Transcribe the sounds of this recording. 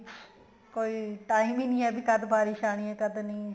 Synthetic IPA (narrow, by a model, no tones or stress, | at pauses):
koːiːʈaːĩːmbiːnĩːɛːbiːkəd̪bʱaːɾiːʃaːɽ̃ĩːɛːkəd̪nĩː